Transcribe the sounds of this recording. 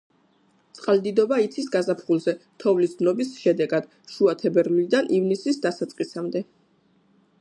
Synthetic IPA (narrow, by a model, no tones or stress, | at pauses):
t̪sʼqʼald̪id̪ɔbait̪sʰisɡazapʰχulˠzɛt̪ʰɔvlisd̪nɔbisʃɛd̪ɛɡad̪̥ | ʃuat̪ʰɛbɛɾlid̪anʔivnisisd̪asat̪sʼqʼisamd̪ɛ